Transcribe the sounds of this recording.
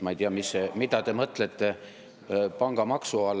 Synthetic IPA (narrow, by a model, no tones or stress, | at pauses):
mɑejt̪iɑmisːemid̪̥ɑt̪e̞mɤt̪ˑlet̪ːˑe̞ | pɑŋɡ̥ɑmɑksuɑl